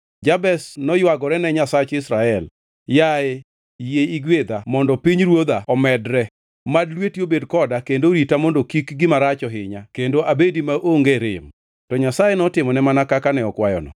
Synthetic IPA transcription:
d͡ʒabɛsnɔjwaɡɔɾɛnɛɲasat͡ʃɪsɾaɛl | jae | jeiɡwed̪amɔndɔpiɲɾwod̪aɔmɛdɾɛ | madlwetiobedkɔdakendoɾitamɔndokikɡɪmaɾat͡ʃɔɦɪɲakendoʔabedimaʔoŋɡeɾɪm | tɔɲasajenɔtɪmɔnɛmanakakanɛɔkwajɔ̰nɔ̰

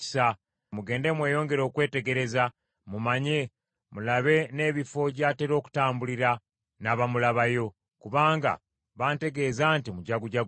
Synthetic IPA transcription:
i̥sa | muɡe̞ːnde̞mwe̞ːjo̞ːŋɡe̞ɾo̞ːkwe̞ːte̞ɡe̞ɾe̞za | mumaɲe̞ | mulaβe̞ne̞ːβifo̞ɟaːte̞ɾo̞ːku̥taːmbuliɾa | naβamulaβajo̞ | kuβaːŋɡa̰ | βaːnte̞ɡe̞zaːntimuɟaɡuɟaɡ

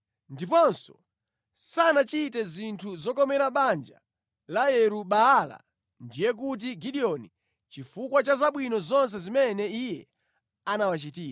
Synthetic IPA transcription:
ndipɔnsɔ̥ | sanat͡ʃitɛzintʰuzɔkɔmɛɾaɓand͡ʒa̰ | lajɛɾuɓaːla̰ | ndijɛk̬ut̬iɡiɗiɔni | t͡ʃifukwat͡ʃazaɓwinɔzɔns̬ɛzimɛnɛijɛ | anawat͡ʃitiːa

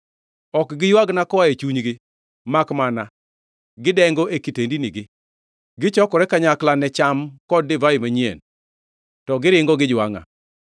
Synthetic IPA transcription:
ɔkɡɪjwaɡnakɔaet͡ʃuɲɡɪ | makmana | ɡɪdɛŋɡoʔekitendiniɡɪ | ɡɪt͡ʃɔkɔɾɛkaɲaklanɛt͡ʃamkɔd̚ːɪvaimaɲiḛn | tɔɡɪɾɪŋɡɔɡɪd͡ʒwaŋa̰

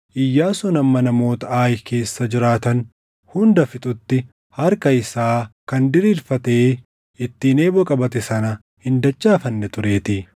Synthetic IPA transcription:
ʔɪjːaːsɔnɐmːɐnɐmo̞ːt̪ɐaːjke̞ːsːɐd͡ʒɪɾaːt̪ɐn | hʊnd̪ɐfɪt̪ʼʊt̪ːɪ | hɐɾkɐɪsaːkɐnd̪ɪɾiːlfɐt̪e̞ː | ɪt̪ːiːne̞ːbɔkʼɐbɐt̪ɛsɐnɐ | hɪnd̪ɐt͡ʃːaːfɐnːɛt̪ʊɾe̞ːt̪ɪ

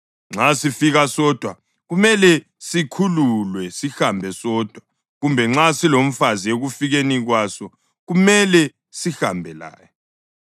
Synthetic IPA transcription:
ŋ͡ǁasifiɣasɔːd̥ʱwa | ɣumɛlɛ | sikʰululwɛsixambʱɛsɔːd̥ʱwa | ɣumbʱɛŋ͡ǁasilom̩fazijeɣufiɣeniɣwasɔ | ɣumɛlɛ | sihambʱɛla̰ːjɔ

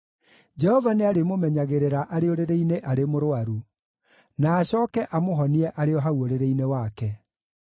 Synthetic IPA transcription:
d͡ʒɛhɔvaneaɾemomɛɲaɣeɾeɾaʔaɾeoɾeɾeineʔaɾemoɾoaɾu | naːɕɔːkɛʔamoɦɔniɛʔaɾeɔɦawoɾeɾeinewakɛ

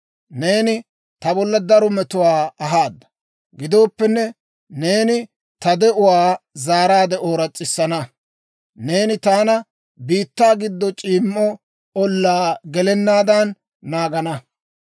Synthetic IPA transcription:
ne̞ːnɪ | t̪ɐbɔlːɐd̪ɐɾɔmɛt̪ʊwaːɐɦaːd̪ːɐ̥ | ɡɪd̪o̞ːpːɛnːɛ | ne̞ːnɪ | t̪ɐd̪ɛʔʊwaːzaːɾaːd̪ɛoːɾɐt͡sʼːɪsːɐnɐ | neːnɪt̪aːnɐ | biːt̪ːaːɡɪd̪ːɔt͡ʃʼiːmːɔ | ɔlːaːɡɛlɛnːaːd̪ɐnː | aːɡɐnɐ

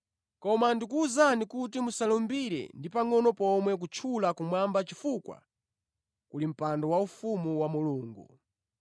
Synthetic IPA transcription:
kɔmandik̬uːzanikut̬imusalɔmbiɾɛ̰ndipaŋɔnɔpɔmwɛk̬ut͡ʃʰulakumwambat͡ʃifukwa̰ | kulim̩pandɔwaufumuwamuluːŋɡṵ

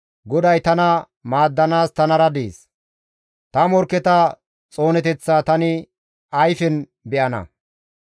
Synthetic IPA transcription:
ɡɔd̪ɐjt̪ɐnɐ | maːd̪ːɐnaːst̪ɐnɐɾɐd̪eːs | t̪ɐmɔɾkːɛt̪ɐ | t͡sʼo̞ːnɛt̪ɛt͡sːaːt̪ɐnɪ | ɐjfɛn | bɛʔɐnɐ̰

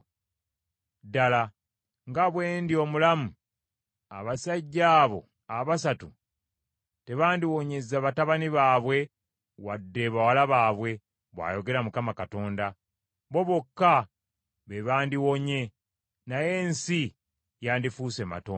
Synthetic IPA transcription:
dala | ŋɡaβwe̞ːndio̞mulamu | a̰βasaɟːaːβo̞̰ | aβasatu | te̞βaːndiwoɲe̞zːaβataβaniβaːβwe̞ | wadːe̞βawalaβaːβwe̞ | βwa̰ːjo̞ɡe̞ɾamukamakato̞ːnda | βo̞βokːa | βeβaːndiwo̞ɲe̞ | naje̞ːnsi | jaːndifuːse̞ma̰to̰ː

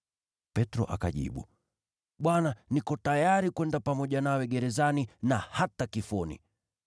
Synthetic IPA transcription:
pɛtɾɔ̰ʔa̰kaʄḭɓṵ | ɓwananikɔtajaɾikwɛndapamɔʄanawɛɡɛɾɛzaninahatakifɔnḭ

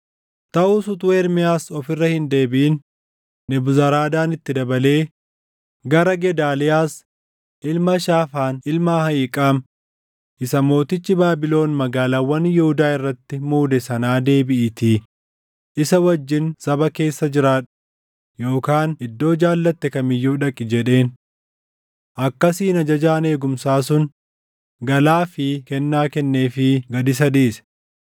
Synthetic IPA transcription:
t̪ɐʔuːsʊt̪ʊweːɾmɪjaːsɔfɪrːɐhɪnd̪e̞ːbɪʔɪn | nɪbʊzɐɾaːd̪aːnɪt̪ːɪd̪ɐbɐle̞ː | ɡɐɾɐɡɛd̪aːlɪjaːs | ʔɪlmɐʃaːfaːnɪlmaːhɐjiːkʼaːm | ʔɪsɐmo̞ːt̪ɪt͡ʃːɪbaːbɪlo̞ːnmɐɡaːlaːwɐnjɪhʊd̪aːɪrːɐt̪ːɪmuːd̪ɛsɐnaːd̪e̞ːbɪʔɪt̪iː | ʔɪsɐwɐd͡ʒːɪnsɐbɐke̞ːsːɐd͡ʒɪɾaːᶑʊ̥ | jo̞ːkaːnɪd̪ːo̞ːd͡ʒaːlːɐt̪ːɛkɐmɪjːuːᶑɐkʼːɪd͡ʒɛᶑe̞ːn | ʔɐkːɐsiːnɐd͡ʒɐd͡ʒaːne̞ːɡʊmsaːsʊn | ɡɐlaːfɪkɛnːaːkɛnːe̞ːfɪɡɐd̪ɪs̬ɐd̪iːs

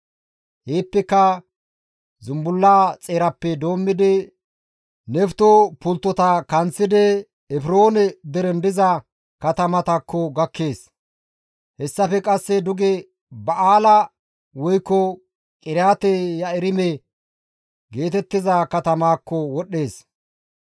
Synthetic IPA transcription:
heːpːɛkːɐ | zʊmbʊlːaːt͡sʼeːɾɐpːɛd̪o̞ːmːɪd̪ɪ | nɛft̪ɔpʊlt̪ːɔt̪ɐkɐnt͡sːɪd̪ɛ | ɛfɪɾo̞ːnɛd̪ɛɾɛnd̪ɪzɐ | kɐt̪ɐmɐt̪ɐkːɔɡɐkːe̞ːs | hɛsːɐfɛkʼɐsːɛd̪ʊɡɛ | bɐaːlɐ | wɔjkːɔ | kʼɪɾjaːt̪ɛjɐɪɾɪmɛ | ɡe̞ːt̪ɛt̪ːɪzɐkɐt̪ɐmaːkːɔwɔɗːe̞ːs

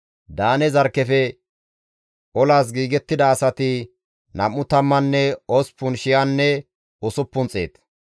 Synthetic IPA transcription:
d̪aːnɛzɐɾkːɛfɛ | ʔɔlaːs̬ɡiːɡɛt̪ːɪd̪ɐːsɐt̪ɪ | nɐ̰mːʊt̪ɐmːɐnːɛɔspːʊnʃɪjanːɛ | ʊsʊpːʊnt͡sʼḛːt̪

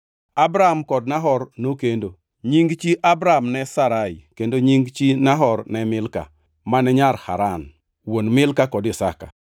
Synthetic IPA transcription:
abɾamkɔd̚naɦɔrnokendo | ɲiŋɡt͡ʃiʔabɾamnɛsaɾaɪkendoɲiŋɡt͡ʃinaɦɔrnɛmɪlka̰ | manɛɲaɾha̰ɾan | wonmɪlkakɔdɪsaka̰

